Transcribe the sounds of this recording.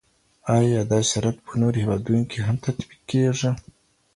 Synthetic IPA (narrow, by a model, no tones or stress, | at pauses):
ajɑd̪ɑsaɾat̪pʰənoɾohewɑd̪unokʰeɦamt̪ʰat̪bikːeʐi